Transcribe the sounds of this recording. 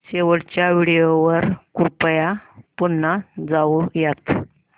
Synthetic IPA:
ɕeʋəɽt͡ɕjaʋiɽijoʋəɾkuɾpəjapunːad͡zaʋujat̪

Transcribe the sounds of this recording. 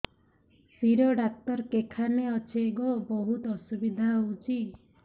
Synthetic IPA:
piɾɔɖak̚t̪ɔɾkekʰaneɔt͡ʃʰeɡɔboɦut̪ɔsubid̪ʱaɦout͡ʃʰi

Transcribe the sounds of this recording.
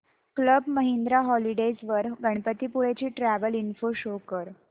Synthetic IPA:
kləbməɦind̪ɾaɦɔliɖed͡zʋəɾɡʱəɳ̃pət̪iːpuɭet͡ɕiːʈɾæʋəlinfoɕokəɾ

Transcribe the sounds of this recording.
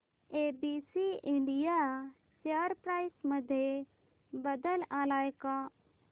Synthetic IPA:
eːbiːsiɪ̃ɳɖija | səɾpɾaːɪsməd̪ʱje | bəd̪əlaːlaːekaː

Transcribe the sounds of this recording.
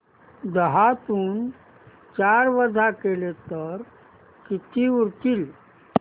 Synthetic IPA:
d̪əɦat̪uːn | t͡ʃaɾʋəd̪ʱakelet̪əɾ | kit̪ʰiuɾt̪iːl

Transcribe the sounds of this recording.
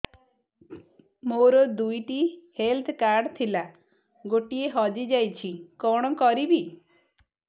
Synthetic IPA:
moɾɔd̪ujʈihelt̪ʰkaɾɖt̪ʰila | ɡoʈieɦɔd͡ʒid͡ʒajt͡ʃʰikɔɽ̃ɔkɔɾibi

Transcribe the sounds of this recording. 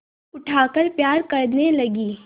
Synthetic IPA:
ʊʈʰaːkəɾpjaːɾkɐɾnelɐɡiː

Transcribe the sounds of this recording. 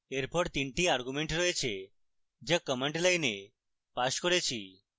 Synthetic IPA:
eɾpɔɽt̪iɳʈiaɾɡumeɳʈɾɔet͡ʃʰe | d͡ʒekəmeɳʈlajne | paskɔɾet͡ʃʰi

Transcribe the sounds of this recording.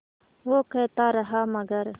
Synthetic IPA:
ʋoːkeːt̪aːɾɐɦaːmɐɡɐɾ

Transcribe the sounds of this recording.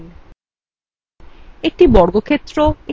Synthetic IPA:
n | ek̚ʈibɔɽɡokʰet̪ːɾoe

